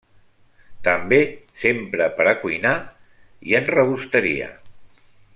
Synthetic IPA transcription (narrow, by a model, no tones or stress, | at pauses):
t̪əmbesempɾəpəɾəkujna | iənrəβust̪əɾḭə̰